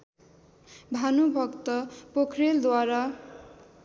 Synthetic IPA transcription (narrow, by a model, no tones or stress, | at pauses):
bʱanubʱʌkt̪ʌpokʰreld̪waɾa